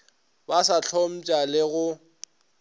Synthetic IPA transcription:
basat͡ɬʰom̩t͡ʃʼalɪɣʊ

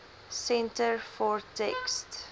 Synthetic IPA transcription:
sɛ̃ntəɹfɔɹtʰɛkst

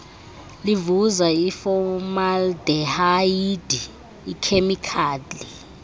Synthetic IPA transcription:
livuzaifɔmaldɛhaid̥ʱiː | kʰemikʰaːli

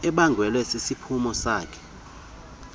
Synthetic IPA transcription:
ɛɓaŋɡʱwɛlɛsesipʰumɔsaːkʰɛ̥

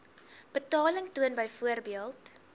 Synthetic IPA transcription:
b̥ətɑːləŋtuənbəjfuərbiəlˠt

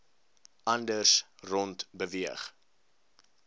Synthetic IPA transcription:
ʔɐndərsrɔntbəviəχ

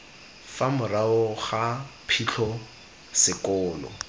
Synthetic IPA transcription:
famʊraʊχapʰit͡ɬʰɔ | sɪkɔːlɔ̰

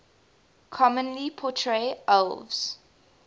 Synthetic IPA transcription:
kʰɔmə̃nlipʰɔtʰɹeəlvz̥

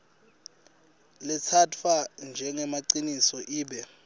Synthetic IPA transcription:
lɛt͡sʰatʰand͡ʒʱɛŋɛmaǀinisɔʔiːɓɛ

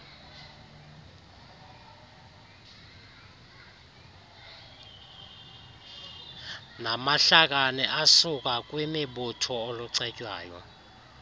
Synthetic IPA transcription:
namaɬak̬ʼanɛʔasuk̬ʼak̬ʼwimiɓutʰɔoluǀɛcʼwa̰ːjɔ̰

